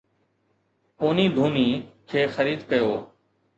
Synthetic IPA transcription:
poːniːd̪ʱuːniːkʰeːxəɾiːd̪kəjoː

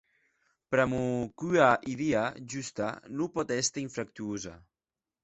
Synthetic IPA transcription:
pɾamukyaʔiðiaʒust̪anupɔt̪ɛst̪aiɱfɾak̚t̪yuza̰

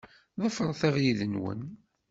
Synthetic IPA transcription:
ðˤəfəɾˤθæʁjiðənwə̰n

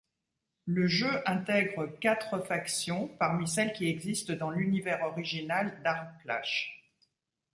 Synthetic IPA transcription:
ləʒøʔɛ̃t̪ɛɡʁəkat̪χəfaksjɔ̃paʁmisɛlkʲiɛɡzist̪d̪ɑ̃lynivɛʁɔʁiʒinald̪aʁkla̰ʃ

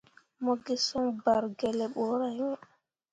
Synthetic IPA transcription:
mɔɡɛsɔmbaɾɡɛlɛɓɔɾaj

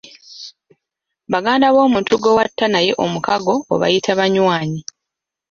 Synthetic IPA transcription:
βaɡaːndaβo̞ːmuːntuɡowatːanaje̞ʔo̞mukaɡo̞̰ːβa̰jitʰaβaɲwaːɲi

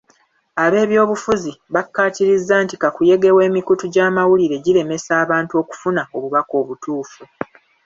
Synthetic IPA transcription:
aβe̞ːβjo̞ːβufuziβakːaːtiɾizːaːntikakuje̞ɡe̞we̞ːmikutuɟaːmawuliɾe̞ɟiɾe̞me̞saːβaːntuo̞ːku̥funao̞βuβako̞ːβutuːfu

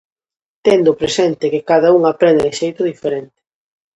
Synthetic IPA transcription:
t̪ɛnd̪ʊpɾesɛnt̪ɪkɪkaðauŋapɾɛnd̪eðɪʃejt̪ʊðifeɾent̪ɪ̥

